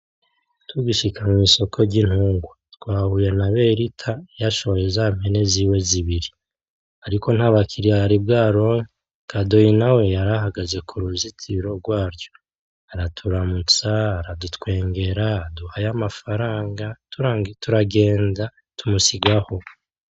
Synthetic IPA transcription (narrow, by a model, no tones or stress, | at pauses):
tuɡiʃikʰamumiso̞kʰo̞ɾɟin̥huːŋɡwatwaːhuje̞naβe̞ɾitʰajaʃo̞βoje̞zam̥e̞ne̞ziːwe̞ziβiɾi | aɾiko̞n̥haβakʰiɾiaɾibɡaːɾo̞ɲi | kado̞jinawe̞jaɾaɦaɡaze̞kʰuɾuzitʰiɾo̞ɡwaːɾjo̞ | aɾatʰuɾamut͡saːɾadutkwe̞ːŋɡe̞ɾaduhajamafaɾaːŋɡatutuɾaɡe̞ːnza | tumusiɡaho̞